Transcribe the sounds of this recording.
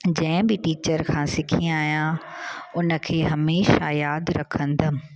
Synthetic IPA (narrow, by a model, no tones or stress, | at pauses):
d͡ʑɐ̃ɦɪ̃bɪʈiːt͡ɕəɾkʰãːsɪkʰĩaːijãʊnə̆kʰeːɦɐmeːʃajaːd̪ɾɐkʰə̃nd̪ə